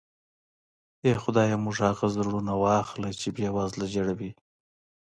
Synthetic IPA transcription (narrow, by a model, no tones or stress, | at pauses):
exʊd̪ɑjamʊʐhɑɣazɾɽunawɑxləjt͡ʃebjɑwɑzlad͡ʒaɽawi